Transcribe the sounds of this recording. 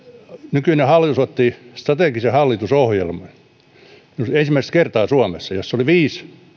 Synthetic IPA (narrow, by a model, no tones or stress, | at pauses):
nykynehɑlːˑit̪usot̪ːist̪rɑt̪eˑkisehɑlːit̪usohjelmɑn | iuensimːˑæist̪kert̪ɑːsuɑmesːɑjosːoliʋiːs